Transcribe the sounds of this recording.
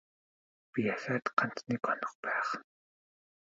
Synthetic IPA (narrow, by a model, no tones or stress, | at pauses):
pijasaːt̪qan̥t̪niːkɔn̥ɞ̆χpæːχ